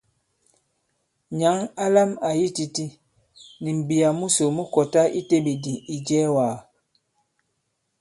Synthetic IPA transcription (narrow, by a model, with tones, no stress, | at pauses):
ɲa˨˦ŋa˦la˦ma˨ji˦ti˨ti˦ | ni˨m̩˨bi˨a˨mu˦so˨mu˦kɔ˨ta˦ʔi˦te˦bi˨di˨i˨d͡ʒɛ˦waː˨